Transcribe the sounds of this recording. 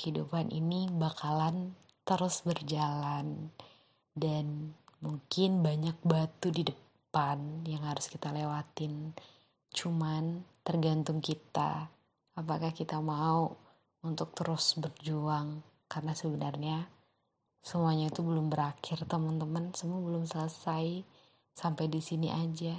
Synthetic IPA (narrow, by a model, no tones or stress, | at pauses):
əhidṵpanʔḭnibakalan | t̪əɾʊsbərd͡ʒalan | danmuŋkɪnbaɲak̚bat̪udidə | panjaŋhaɾʊskit̪alewat̪ɪn | t͡ʃumant̪ərɡant̪ʊŋkit̪a̰ː | pakahkit̪amau | unt̪ʊk̚t̪əɾʊsbərd͡ʒuaŋ | kaɾənasəbənərɲa | səmuaɲait̪ubəlʊmbəɾakʰɪrt̪əmənt̪əmənsəmuabəlʊmsələsaj | sampajdisiniʔad͡ʒa